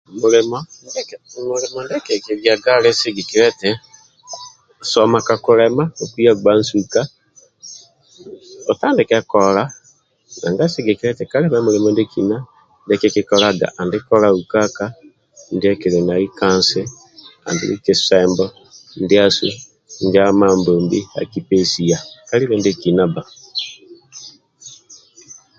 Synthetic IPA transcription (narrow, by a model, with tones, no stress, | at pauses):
moɾemɔndɛkmo˨ɾe˨mɔ˨ndɛ˦ke˨ke˨ɡja˨ɡa˦ɾe˦se˦ɡe˨ki˨ɾɛ˦tɛ˨ | sɔ˨ma˨ka˨ko˨ɾɛma˦o˨ki˦a˦ɡa˦nsuka˦ | ɔ˨ta˦nde˨kɛ˦kɔ˨ɾa˦ | na̰˨ŋɡa˦se˦ɡe˨kiɾɛ˦tɛ˨ka˦ɾɛ˦ma˦mo˨ɾe˨mɔnde˦kina˦ | ndɛ˦kɛ˦ki˦kɔ˦ɾaɡa̰˨ʔa˨ndi˦kɔ˦ɾa˨u˨ka˦ka˦ | ndi˦ɛ˦ki˨ɾɛ˨na˨i˦ka˦nsɛ˦ | a̰˨ndḭ˦ɾḭ˦ki˨sɛmbɔ˦ | ndi˦a˦sṵ˦ | nd͡ʒa˦ma˨mboː˨mbi˦a̰˨ki˨pe˦si˨a˨ka˦li˦βɛ˦nde˦ki˨na˦ba˨